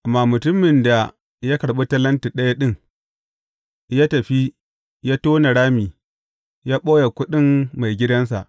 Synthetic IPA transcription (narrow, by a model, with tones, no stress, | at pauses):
ʔa˨mːaː˨mʊ˨tʊ˦mːɪ˨nda˨ | jaː˦kɐ˨ɽɓo˦tɐ˦lɐ˦nti˨ɗɐ˦ja˦ɗɪ˦ŋ | jaː˦tɐ˨ɸi˦ | jaː˦toː˦na˨ɽaː˦miː˨ | jaː˦ɓoː˦ja˨kʷʊ˦ɗɪ˦mːa˨jɡʲɪ˦dɐ˦ns̬a̰˨ʔ